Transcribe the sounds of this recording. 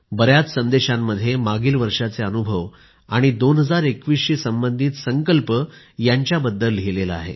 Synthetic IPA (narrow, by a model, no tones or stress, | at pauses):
bəɾjat͡ssənd̪eɕamːəd̪ʱːjemaɡiːlʋəɾʂat͡seənubʱəʋ | aɽ̃id̪onɦəd͡zaɾekʋiːsɕiːsəmbənd̪ʱiːt̪səŋkəlpə | jaɲt͡ɕjabəd̪ːəlːeleləa̰ɦḛ